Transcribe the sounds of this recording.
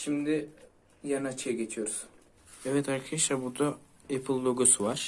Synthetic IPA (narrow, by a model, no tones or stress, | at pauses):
ʃimd̪ɪ | janat͡ʃʰejɡet͡ʃʰijoɾuz̥ | evɛt̪hakʰiʃabut̪a | epʰilˠːoɡusuvaɾ̥